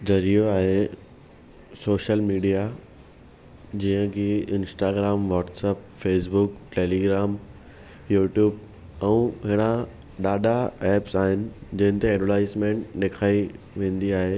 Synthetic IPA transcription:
zʱɐɾijoaːɦe | soːʃəlmiːɖija | d͡ʑiːə̃kiɪ̃nsʈaːɡɾaːmʋɔːʈsɛːpfeːs̬bʊkʈeːliːɡɾaːm | juːʈjuːb̚ | ɛ̃ːɦɪɽ̃a | ɗaːɗaɛːpsaːɦɪnɪ̆d͡ʑɐ̃ɦɪ̃nt̪eɛːɖəʈaːɪsmẽːɳʈɗeːkʰaːi | ʋẽːn̆d̪iaːɦeː

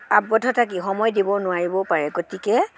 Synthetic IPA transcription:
abːɔtʰɔtʰakixɔmɔjdibɔnʊaɹibɔpaɹɛɡotikɛ

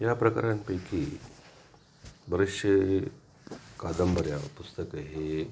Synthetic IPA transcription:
japɾəka̰ɾanpekʰi | bəɾiʂə | kad̪əmbʱəɾjapust̪əkəɦe

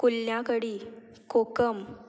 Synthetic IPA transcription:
kulːjãkəɽi | kokəm

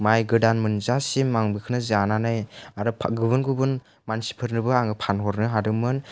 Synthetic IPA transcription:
majɡɯdanmɯnzasimmaŋbɯkʰɯnɯzananajaɾɯpʰɡɯβɯnɡubɯn | mansi̥pʰɯɾnɯbɯaŋɯpʰanɦɔɾnɯɦadɯmɯn

